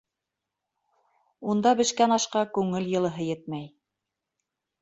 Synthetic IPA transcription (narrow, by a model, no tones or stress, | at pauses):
und̪ɑbɘ̆ʃkænɑʃqɑkʉŋɘljɤ̆lˠɤ̆ɦɤjɘt̪̚mæj